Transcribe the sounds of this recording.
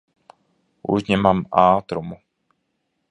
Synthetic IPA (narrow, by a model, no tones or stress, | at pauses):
ʔṵʒɲɛmaːmaːt̪ɾɔmu